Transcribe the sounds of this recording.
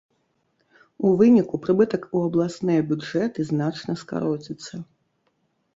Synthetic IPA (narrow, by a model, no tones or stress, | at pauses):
uvɨnʲikupɾɨbɨt̪ɐkuɐblˠasnɨjɐbʲuʐɛt̪ɨzn̪at͡ʂnɐska̰ɾɔt͡sʲit̪sːɐ